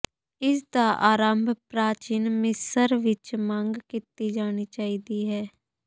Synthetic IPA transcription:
ɪsd̪aːʔaːɾaːmbʱpɾaːt͡ʃiːnmɪsəɾʋɪt͡ʃməŋɡkɪt̪iːd͡ʒaːñiːt͡ʃaːiːd̪iːɦɛː

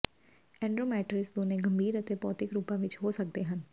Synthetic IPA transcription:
ɛ̃ːɳɖɾoːmɛːʈɾɪsd̪oːnẽɡəmbʱiːɾət̪epɔːt̪ɪkɾuːpãːʋɪt͡ʃɦoːsək̚d̪eɦən

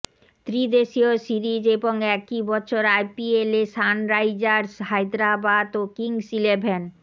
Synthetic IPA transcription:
t̪ɾid̪eʃiosiɾid͡ʑeboŋɛkibɔɕʰoɾajpieleʃanɾajd͡ʑaɾshajd̪ɾabad̪okiŋsilebʱen

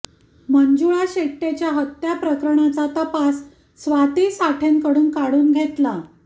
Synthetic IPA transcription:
məɲd͡ʑuɭaɕeʈːet͡ɕjaɦət̪japɾəkɾəɳat͡sat̪əpasː | ʋat̪iːsaʈʰeŋkəɽuːnkaɽuːnɡʱet̪la

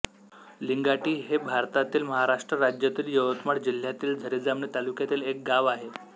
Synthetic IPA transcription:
liŋɡaʈiːɦebʱaɾt̪at̪iːlməɦaɾaʂʈɾəɾad͡ʑjat̪iːljəʋət̪məɽd͡ʑil̤jat̪iːld͡zʱəɾid͡zamɳit̪alukjat̪iːlek̚ɡaʋaɦe

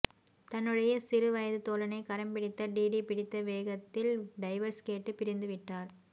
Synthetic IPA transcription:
t̪ɐnːɯɽɐjɐsɪɾɯʋɐjɐðɯt̪oːlɐnɐɪkɐɾɐmpɪɽɪt̪ːɐɖiːɽipɪɽɪt̪ːɐʋeːɣɐt̪ːɪlɖɐɪʋɐɾskeːʈːɯpɪɾɪnd̪ɯʋɪʈːaːɾ

